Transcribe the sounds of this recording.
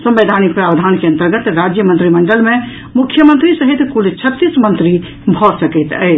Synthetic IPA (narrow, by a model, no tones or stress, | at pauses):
sə̃mbed̪ʱanik̚pɾabd̪ʱankeənt̪əɾɡət̪ɾad͡ʒjəmənt̪ɾiməɳɖəlmẽ | mukʰːjəmə̃nt̪ɾisəɦit̪kult͡ʃʰət̪ːismənt̪ɾi | bʱɔsəkɛt̪ə